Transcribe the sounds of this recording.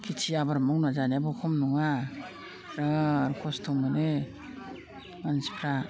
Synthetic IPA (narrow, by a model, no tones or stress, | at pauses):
kʰitʰiabaɾmɔwnazaneabɔkʰɔmnuŋa | ɾaɾkʰɔstʰɔmɯne | ansi̥pʰɾa